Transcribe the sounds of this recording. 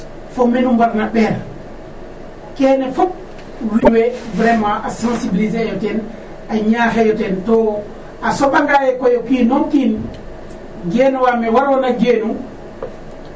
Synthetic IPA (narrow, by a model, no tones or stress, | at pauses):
fomenumbaɾnaɓɛːɾ | keːnɛfop̚ | wiɲwebɾemãʔasãnsibilizejotɛn | aɲaxejotento | asoɓaŋɡajekojokiːnonkin | ɡeːnuwamewaɾwonaɡeːnu